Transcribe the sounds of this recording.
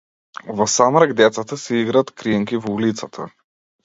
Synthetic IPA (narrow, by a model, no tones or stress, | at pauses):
vɔsamɾaɡd̪ɛt̪sat̪asɛiɡɾaːt̪kɾiɛŋkʲivɔulit̪sat̪ʰa̰